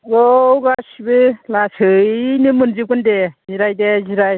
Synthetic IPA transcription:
ɡowɡasibɯlasɯnɯmɯnzip̚kɯndeziɾajdeziɾaj

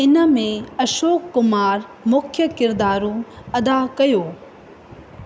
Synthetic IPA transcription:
ɪnə̆mẽɐʃoːkːʊmaːɾmʊkʰjəkɪɾd̪aːɾũɐd̪akɐjoː

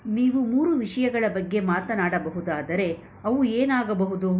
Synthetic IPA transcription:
niːʋumuːɾuʋiʂɐjɐɡɐɭɐbɐɡːe̞maːt̪ɐnaːɽɐbɐɦud̪aːd̪ɐɾe̞ | ɐʋueːnaːɡɐbɐɦud̪u

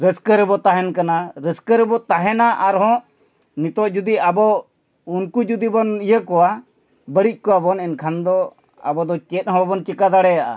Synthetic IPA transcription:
ɾəskəɾɛbɔt̪aɦɛnkanaɾəskəɾɛbɔt̪aɦɛnaʔaɾɦɔ̃ | nit̪ɔʔd͡ʒud̪iabɔ | unkud͡ʒud̪ibɔnijəkɔwa | bəɽic̚ˀkɔwabɔnɛnkʰand̪ɔ | a̰bɔd̪ɔt͡ʃɛt̪̚hɔ̃babɔnt͡ʃɛkad̪aɽɛjaʔa̰

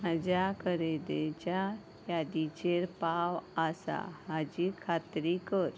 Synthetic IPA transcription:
mad͡ʑakəɾed̪et͡ɕa | jad̪it͡ɕeɾpawasa̰ɦad͡ʑikʰat̪ɾikəɾ

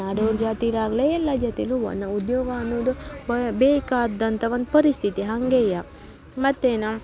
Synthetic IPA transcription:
aːɽoːɾd͡ʒaːt̪iɾaːɡleɛlːad͡ʒɐt̪iluʋɐ̰nːɐud̪joːɡɐɐnːoːd̪ubbeːkaːd̪ːɐnt̪ɐʋɐnd̪pɐɾist̪ʰit̪iɦɐŋɡeːja | mɐt̪ːeːnɐ

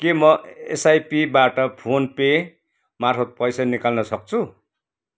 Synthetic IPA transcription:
kemʌḛsajpibaʈʌpʰonpe | marpʰʌt̪̚pʌjsanikalnʌsʌk̚t͡sʰu

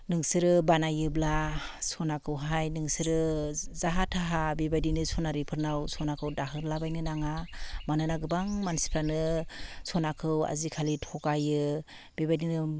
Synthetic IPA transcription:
nɯŋsɯɾɯbanajɯblasɔnakʰɯwɦajnɯŋsɯɾɯzaɦatʰaɦabibajdinɯsɔnaɾipʰɯɾnawsʰɔnakʰɯwdaɦɯɾlabajnɯnaŋamanɯnaɡɯbaŋmansi̥pʰɾanɯsʰɔnakʰɯwa̰zikʰalitʰɔkajɯ | b̥ebajdinɯ

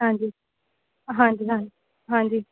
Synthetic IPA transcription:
ɦãːɲd͡ʒiː | ɦãːɲd͡ʒiːɦãːd͡ʒi | ɦãːnd͡ʒiː

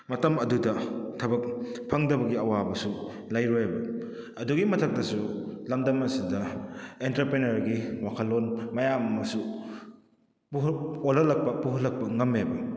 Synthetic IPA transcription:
mɐtɐmɐdudɐtʰɐbɐk̚pʰɐŋdɐbɐɡiɐwabɐsu | lajɾojabɐ | ɐduɡimɐtʰɐk̚tɐsulɐmdɐmɐsidɐentɐɾpɾenɐɾɡiwakʰɐlːonmɐjamɐmɐsu | puɦolɐlɐk̚pɐpuɦɐlːɐk̚pɐŋɐmebɐ

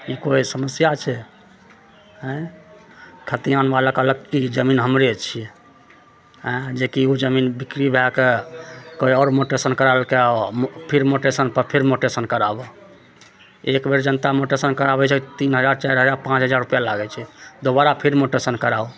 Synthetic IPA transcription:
ikoisəməsjat͡ʃʰɛ | ɦə̃ | kʰət̪ianbaləkələɡkid͡ʒəminɦəmɾet͡ʃʰiɛ | ɦə̃d͡ʒekiud͡ʒəminbikɾibʱɛkekoiɔɾmoʈesənkəɾalkepʰiɾmoʈesənpəɾpʰeɾmoʈesənkəɾabɔ | ekbeɾd͡ʒənt̪amoʈesənkəɾabɛt͡ʃʰɛkit̪inɦəd͡ʒaɾt͡ʃajɾɦəd͡ʒaɾpãt͡ʃɦəd͡ʒaɾːupjalaɡɛt͡ʃʰɛd̪obaɾapʰiɾmoʈesənkəɾau

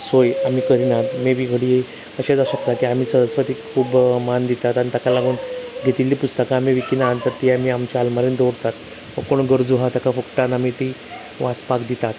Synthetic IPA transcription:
sojam̤iːkəɾinat̪mebʱiɡʱəɽije | əɕad͡zaɕəkt̪akiam̤iːsəɾəsʋat̪iːkʰuːbmand̪it̪at̪anit̪akalaɡuːnɡʱet̪ilːiːpust̪əkaːmiʋikinaɦant̪əɾt̪iːamiamt͡ɕaalmaɾend̪oɽt̪at̪ | ʋə̃koɽɳɡəɾd͡zuɦat̪akʰafəkʈanamit̪i | ʋãspakd̪it̪at̪

